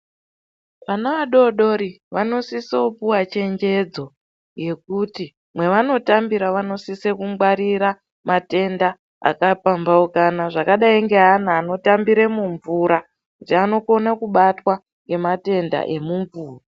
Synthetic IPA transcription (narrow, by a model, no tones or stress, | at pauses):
ʋanaʋaɗo̞ɗo̞ɾi | ʋano̞sisoupuwat͡ʃe̞ɲd͡ʒe̞d͡zo̞ | je̞kuti | mwe̞ʋano̞tambiɾaʋano̞sisekuŋɡwaɾiɾa | mate̞nda | a̰kapambaukanaʐakaɗaiŋɡe̞ɦanaːno̞tambiɾemuɱvuɾa | kutiano̞ko̞nakuɓatwa | ŋɡe̞mate̞nda̰ʔe̞muɱvuːra